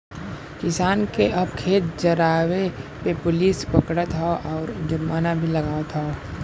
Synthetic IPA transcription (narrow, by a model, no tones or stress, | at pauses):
kɪsaːnkeʔɐbkʰeːt̪̚d͡ʒɐɾaːwepepʊlispəkɽət̪ʰaʔɔːɾd͡ʒəɾmaːnabʱilɐɡaːet̪ʰa